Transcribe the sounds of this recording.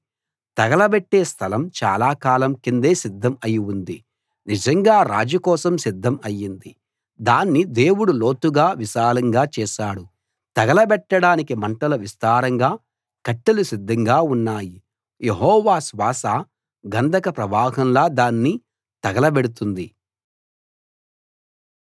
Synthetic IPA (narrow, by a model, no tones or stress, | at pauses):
t̪ɐɡɐlɐbɛʈːeːst̪ʰɐlɐmt͡ʃa̰ːlaːkaːlɐmkind̪e̞ːsid̪ʱːɐmɐjiund̪i | nid͡ʒɐŋɡaːɾa̰ːd͡ʒɐkɔːsɐmsid̪ʱːɐmɐjːind̪i | d̪aːnːid̪eːwuɽulo̞ːt̪uɡaːʋiʃaːlɐŋɡaːt͡ʃɛːʃaːɽu | t̪ɐɡɐlɐbɛʈːɐɽaːnikimɐɳʈɐlɐʋist̪aːɾɐŋɡaː | kɐʈːɐlusid̪ʱːɐŋɡaːunːaːji | jeɦɔːʋaːsʋaːsaː | ɡɐnd̪ʱɐkɐpɾɐʋaːɦɐmlaːd̪aːnːi | t̪ɐɡɐlɐbɛɽut̪und̪i